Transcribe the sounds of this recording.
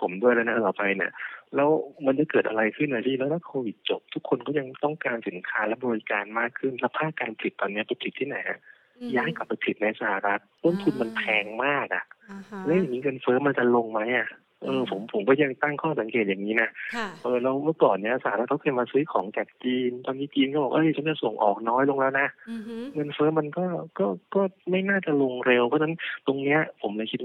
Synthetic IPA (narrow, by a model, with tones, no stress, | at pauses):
pʰo˩˦mdu˥˩əjlɛ˦˥na˦˥˩t̪ɔː˨˩pa˧jni˦˥˩ɐlɛː˦˥wma˧nt͡ɕa˨˩kɤː˨˩t̪̚ʔa̰˧ɾa˧jkʰɯ˥˩nːaː˨˩t̪ʰiː˧˥˩lɛː˦˥wla˧˥kʰːoː˧wi˨˩t̪̚t͡ɕo˨˩p̚t̪ʰu˦˥kʰːo˧nkʰɔː˥˩ja˧ŋt̪ɔ˥˩ŋkaː˧nsi˨˩˦nkʰaː˦˥lɛ˦˥bɔː˧ɾi˧˥kaː˧nmaː˥˩kʰɯ˥˩nlɛː˦˥wpʰaː˥˩k̚kaː˧npʰli˨˩t̪ːɔː˨˩nːi˦˥ɐpa˧jpʰi˨˩t̪ʰːiː˥˩na˩˦jʔa˨˩ | jaː˦˥˩ŋkla˨˩pːa˧jpʰi˨˩t̪̚na˧jsaː˧ha˨˩ɾa˦˥t̪̚ːo˥˩nt̪ʰu˧nma˧npʰɛː˧ŋmaː˥˩k̚ʔa̰˨˩ʔlɛː˦˥ja˨˩ŋmiː˧˥kɤː˧nfɤː˦˥ma˧nt͡ɕa˨lo˧ŋma˦˥jʔa˨˩ | ʔɤː˧pʰo˩˦mpʰo˩˦mkɔː˥˩ja˧˩t̪a˥˩ŋkʰɔː˥˩sa˩˦ŋkeː˨˩t̪̚jaː˨˩ŋːiː˦˥na˦˥ʔʔɤː˧˩lɛ˧˦˥wmɯ˥˩kɔː˨˩nːi˦˥ɐ˧˩sa˧˩a˨˩ɾa˦˥a˦˥kʰːɤː˧jmaː˧sɯː˦˥jkʰɔː˩˦ŋt͡ɕaː˨˩k̚t͡ɕiː˧nt̪ɔː˧nːiː˦˥˩t͡ɕiː˧nkɔ˥˩bɔː˨˩kʔɤ˧˥˩jt͡ɕʰa˨˦˥t͡ɕa˨˩so˨˩ŋʔɔ̰ː˨˩k̚nɔː˦˥jlo˧ŋlɛː˦˥wna˦˥ʔŋɤ˧nfɤː˦˥ma˧nkɔː˥˩kɔː˥˩kɔː˥˩ma˥˩jnaː˥˩t͡ɕa˨˩lo˧ŋɾe˧wpʰna˦˥nt̪o˧ŋni˦˥ɐpʰo˩˦mlɛ˧˥kʰi˦˥t̪̚